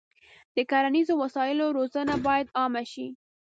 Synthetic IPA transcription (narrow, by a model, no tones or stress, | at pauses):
d̪̥əkaɾanizowasɑjɪloɾozənabɑjad̪ɑmaʃi